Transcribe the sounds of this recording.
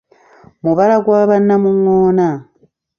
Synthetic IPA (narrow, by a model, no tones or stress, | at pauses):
muβalaɡwaːβanːamuŋoːna